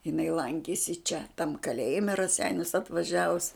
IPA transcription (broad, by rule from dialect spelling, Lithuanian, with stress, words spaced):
jɪˈnɐɪ ˈlˠɐŋʲkʲeːsʲɪ t͡ʃʲɛ tɐm kɐˈlʲeːjɪmʲɛ ɪ rɐˈsʲɛɪnʲʊs ɐtʋɐˈʒʲæːʋʊs